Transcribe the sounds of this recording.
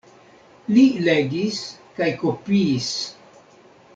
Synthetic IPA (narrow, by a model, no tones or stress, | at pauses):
lileɡiskajkopiːs